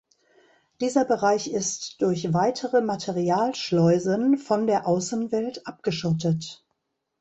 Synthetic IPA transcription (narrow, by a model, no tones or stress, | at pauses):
d̥iːzɐbəʁaɪçɪstd̥ʊɐçvaɪtʰəʁəmatʰeʁiaːlʃlɔʏzənfɔndeːɐʔaʊsn̩vɛltʔap̚ɡ̥əʃɔtət